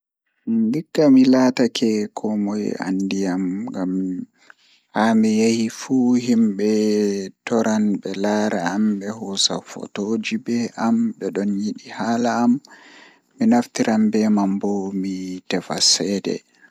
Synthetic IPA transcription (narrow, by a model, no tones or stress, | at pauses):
ndikːamilaːtakɛkʰɔmɔja̰ndijamŋɡam | hamijahifuhimɓɛtɔɾanɓɛlaːɾaːmɓɛhɔsa̰fɔ̰tod͡ʒibɛʔamɗɛɗɔnjiɗihaːlaːmː | inaftiɾʔambɛmambɔmitɛfa̰sɛdɛ̰